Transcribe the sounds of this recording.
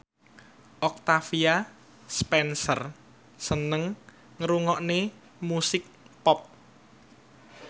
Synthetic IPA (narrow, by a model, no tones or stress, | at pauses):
ʔɔk̚t̪afia | spɛnsər | sənəŋ | ŋɾuŋɔʔne | musɪk̚pɔp̚